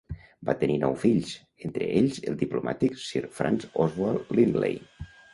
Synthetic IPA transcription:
bat̪əninɔwfiʎs | ent̪ɾə̰ʔeʎzəlˠd̪ipluma̰t̪iksiɾfɾa̰nzɔzwaɾlinlḛj

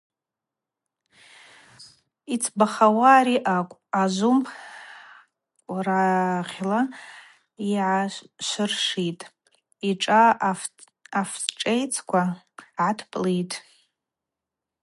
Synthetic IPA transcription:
it͡sʰbaχawaɾiʔakʷʼazʷumpʰ | kʷʼraʁʲla | iʕaʃʷɨrʂitʼ | iʈ͡ʂʼa | fʈ͡ʂʼejt͡sʰkʷʰa | ʕatʰpʼlijtʼ

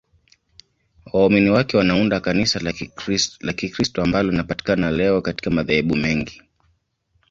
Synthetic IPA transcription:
wauminiwakɛwanaundakanisal | lakikɾistɔambalɔlinapati̥kanalɛɔkati̥kamaðahɛɓumɛŋɡi

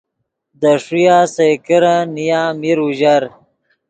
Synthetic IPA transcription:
d̪əʂujaːsejkəɾanijamiɾuʑaɾ

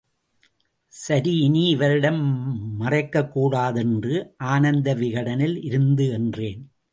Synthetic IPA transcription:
sɐɾiɪniɪʋɐɾɪɽɐmmɐrɐɪkːɐkːuːɽaːðɛndrɯʔaːnɐnd̪ɐʋɪɣɐɽɐnɪlɪɾɯnd̪ɯɛndreːn

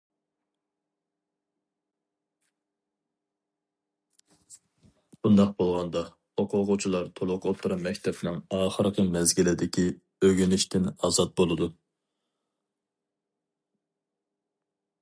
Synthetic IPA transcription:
b̥und̪ɑq̚bolˠʁɑnd̪ɑ | oqʰʊʁʊt͡ʃʰilˠɑɾt̪ʰolˠʊqot̪ʰɨɾɑmɛkʲt̪ʰɛpɪnɪŋɑːχəɾqʰəmɛzɡʲilɪd̪ɪkʲi | øɡʲinɪʃt̪ɪnɑzɑt̪̚bolˠɨd̪u

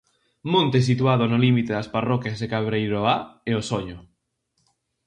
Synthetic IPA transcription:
mõnt̪ɪs̬it̪wað̞ʊnʊlimit̪eðasparɔkjasekaβɾejɾoaeosoɲʊ

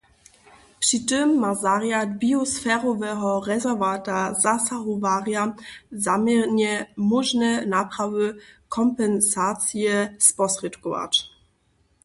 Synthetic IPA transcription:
pʂitɪmːazaʁjadbiɔsfɛʁɔvɛɦɔʁɛzɛʁvatazasaɦɔvaʁjazamjɛʁɲɛmɔʒnɛnapɾavɘkʰɔmpɛnsat͡sjɛspɔsʁɛtkɔva̰t͡ʃ

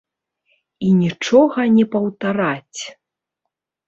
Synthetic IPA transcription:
inʲit͡ʂɔɣɐnʲɛpɐwt̪aɾat͡sʲ

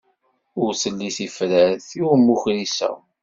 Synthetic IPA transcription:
ʊɾsəlːiθifɾəɾθumːuçɾisæ̰

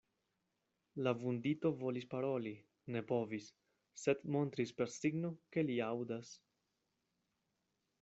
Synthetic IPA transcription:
lavund̪it̪o̞vo̞lispaɾo̞li | ne̞po̞visː | e̞d̪mo̞nt̪ɾispe̞ɾsiɡno̞ke̞liawdas

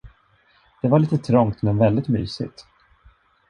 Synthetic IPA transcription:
d̪̥ɛvaɭiːt̪ət̪ʰɾɔŋkt̪mɛnvɛld̪ɪt̪my̰ːsɪ̰t̪

